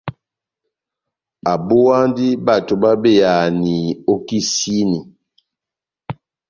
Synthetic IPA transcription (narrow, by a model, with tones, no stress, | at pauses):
a˨bo˦a˦ndi˦ba˦˨to˨ba˦be˦˨ja˨ni˨o˦ki˦si˦ni˨